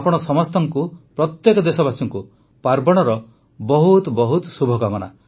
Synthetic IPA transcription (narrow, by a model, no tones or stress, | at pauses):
apɔɽ̃ɔsɔmɔst̪ɔŋkupɾɔt̪jekɔd̪esɔbasɔŋku | paɾbɔɽ̃ɔɾɔ | bɔɦut̪bɔɦut̪ɔsubʱɔɡaɡɔɽ̃a̰